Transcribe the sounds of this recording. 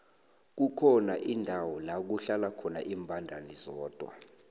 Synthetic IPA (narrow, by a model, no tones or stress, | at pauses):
k̬ukʰɔnaʔindʱawɔlak̬uɬalakʰɔnaʔiːmbʱandʱaniz̥ɔːd̥ʱwa̰